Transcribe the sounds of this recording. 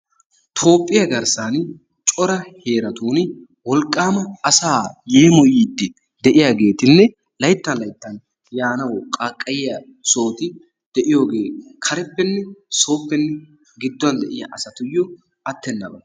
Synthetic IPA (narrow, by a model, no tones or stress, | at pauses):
t̪ʰo̞ːpʼːɪjɐɡɐɾsan | t͡ʃʼɔɾɐhe̞ːɾɐt̪uːn | wɔlkʼːaːmɐːsaːje̞ːmɔjiːd̪ːɪ | d̪ɛʔɪjaːɡe̞ːt̪ɪnːɛ | lɐjt̪ːɐlɐjt̪ːɐn | jaːnɐwkʼakʼːɐjɪjɐ | so̞ːt̪ɪ | d̪̥ɛʔɪjo̞ːɡe̞ːkʰɐɾɛpːɛnːɛso̞ːpːɛnːɛ | ɡɪd̪ːʊɐnd̪ɛʔɪjɐ̰ʔɐsɐt̪ʊjːɔ | ɐt̪ːɛnːɐbɐ